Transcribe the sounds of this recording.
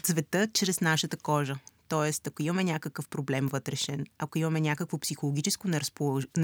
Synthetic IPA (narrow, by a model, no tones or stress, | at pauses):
t̪svɛt̪ɤt͡ʃɾɛsnaʃət̪əkɔʒət̪ɔɛst̪ɐkoimɐmɛnʲakəkəfpɾoblɛmvɤt̪ɾɛʃɛnɐkoimɐmɛnʲakəkvopsixolˠoɡʲit͡ʃɛskonɛɾspolˠ